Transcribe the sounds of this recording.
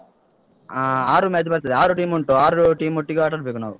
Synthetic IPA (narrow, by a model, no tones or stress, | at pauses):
aːɾumed͡ʒpɐɾt̪ɐaːɾuʈiːmuɳʈoːaːɾuʈiːmuʈːiɡaːʈːɐɾpeːkunːaːwu